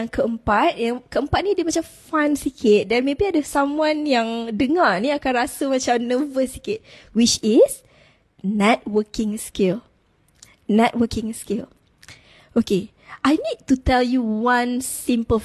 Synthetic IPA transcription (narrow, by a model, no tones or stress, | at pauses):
aŋkʰəəmpat̪̚jakəəmpat̪̚nidimat͡ʃamfãnsikʰɪt̪̚danmebiadasamũanjaŋdəŋaniakanɾasəmãt͡ʃamnəvəsikɪt̚wit͡ʃis | nɛt̚wəkɪ̃ŋskil | nɛt̚wəkɪ̃ŋskil | oke | ʔajnid̚tutɛljuwãnsimpə